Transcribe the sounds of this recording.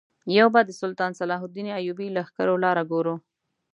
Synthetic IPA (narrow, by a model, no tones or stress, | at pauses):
jawbɑd̪əsʊlt̪ɑnsalɑɦʊd̪ineajubilaxkaɾolɑɾaɡoɾu